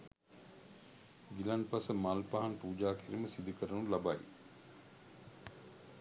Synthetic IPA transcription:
ɡilanpasəmalpaɦaŋpuːd͡ʒaːkʰiɾiməsid̪ikəɾənulabaj̰

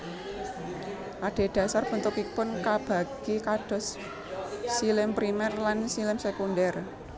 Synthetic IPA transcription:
ʔaɖ̥e̤ɖ̥ä̤sarb̥ə̤nt̪ʊkipʊnkab̥ä̤ɡ̥ikaɖ̥ɔ̤sː | ilɛmpɾimɛrlansilɛmsekundɛr

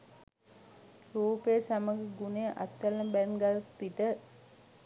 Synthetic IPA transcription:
ɾuːpejəsaməɡəɡunejəʔa̰t̪ːaləmbænɡaltpitə

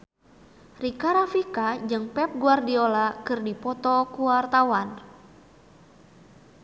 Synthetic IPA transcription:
rikaɾafikad͡ʒɨŋpɛp̚ɡuardiolakɨrdipɔt̪ɔkuwart̪awan

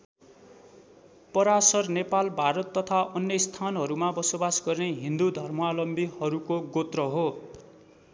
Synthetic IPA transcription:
pʌɾasʌrnepalbʱaɾʌt̪ːʌt̪ʰaʔʌnjʌist̪ʰanɦʌɾumabʌsobasɡʌrneɦind̪ud̪ʱʌrmalʌmbihʌɾukoɡot̪rʌɦo

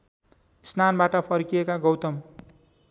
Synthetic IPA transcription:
isnanbaʈʌpʰʌrkijekaɡʌwt̪ʌm

